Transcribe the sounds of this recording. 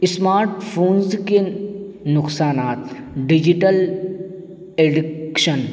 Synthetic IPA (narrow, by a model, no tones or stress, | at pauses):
ɪsmaːɾʈpʰoːnzke | nʊksaːnaːt̪ | ɖid͡ʒiʈəl | eɖɪkʃən